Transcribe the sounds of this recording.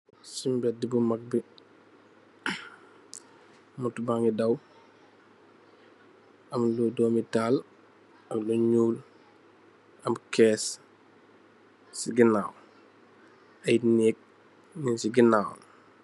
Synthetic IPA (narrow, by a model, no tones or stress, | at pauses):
simbɛt̚dibumɐk̚bi | mutubaŋɡidɐw | ɐmludɔːmitaːl | ɐmluɲuːl | ɐmkɛːs | siɡinaːw | ɐjnɛːk̚ | ninsiɡinaːw